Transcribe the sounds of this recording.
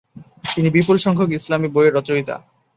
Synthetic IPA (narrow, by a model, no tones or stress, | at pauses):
t̪inibipulʃɔŋkʰokislamibojeɾɔt͡ɕoit̪a̰